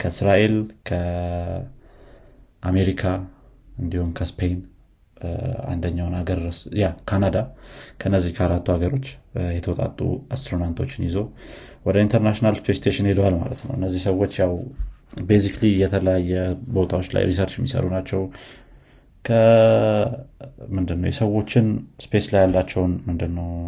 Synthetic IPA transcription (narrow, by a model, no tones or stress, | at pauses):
kʰəsɾaʔe̞lkʰə | ʔame̞ɾikʰaɨnd̪ihumkʰəspʰe̞jn | a̰nd̪əɲːawnaɡəɾəsjakʰanad̪akʰəɨnːəzːihkʰəaɾat̪ːuaɡəɾo̞t͡ʃːjɛt̪ʰəwɔt̪ʼa̰t̪ʼːṵast̪ɾunant̪ʰo̞t͡ʃːɪnjɪzo̞ | wɔd̪əint̪ʰəɾnaʃinalspʰest̪ʰeʃɪnhed̪owalma̰lət̪nəwʔɨnːəzːihsəwːo̞t͡ʃːjawbesiklijɛt̪ʰələjajːɛbo̞t̪ʰawo̞t͡ʃːla̰jɾisəɾt͡ʃjɛmːisə̰ɾunat͡ʃːɛw | kʰə | mɨnd̪ɨnːəwjɛsəwo̞t͡ʃːɪnspe̞slajjalːat͡ʃːɛwnmɨnd̪ɨnːəw